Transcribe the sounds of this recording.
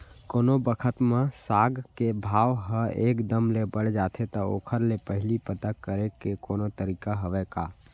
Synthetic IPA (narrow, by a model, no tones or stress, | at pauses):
koːnobəkʰət̪mãsaːɡkebʱaːʋɦəeːkd̪əmlebəɽ̤d͡ʒaːt̪ʰet̪əo̰ːkʰəɾlepəɦɪlipət̪akːəɾekekoːnot̪əɾiːkaɦəʋekaː